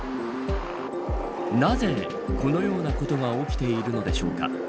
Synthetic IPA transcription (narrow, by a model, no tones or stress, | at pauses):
naze̞ | ko̞no̞jo̞ːnako̞t̪o̞ɡao̞kʲi̥t̪e̞iɾɯ̟no̞d̪e̞ɕo̞ːka̰